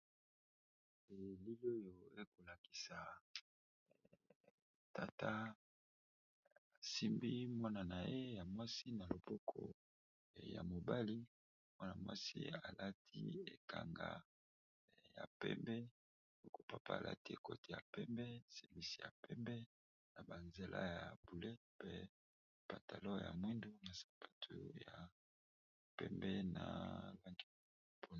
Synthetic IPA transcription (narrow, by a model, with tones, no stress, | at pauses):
e˨li˦lo˦jo˨e˦ko˨la˨ki̥˨sa˨ | ta˨tʰa˦ | a˨si˦mbi˦mwa˦na˨na˨je˦ja˨mwa˦si˦na˨lo˨pɔ˦kʰɔ̰˨ | ja̰˨mo˨ba˦li˦ | mwa˦na˨mwa̰˦sḭ˦a˨la˦tʰi˦e˨ka̰˨ŋɡa˨ | ja̰˨pɛ̰˦mbɛ˦ | o˨ko˦pa˨pʰa̰˦a˨lʔa̰˦ti˦e˨ko˦ti˨ja˨pɛ˦mbɛ˦sɛ˨vi˦si˨ja˨pɛ˦mbɛ˦ | na˨ba˨nze˨lʔa˦ja˨bu˨le˦ | pɛ˦ | pa˨ta˨lo˦˨ja̰˨mwi˦ndu˦na˨sḁ˨pʰa˦tʰu˦ja˨ | pɛ̰˦mbɛ˦na̰˨la˦ŋɡi˦˨ | po˦˨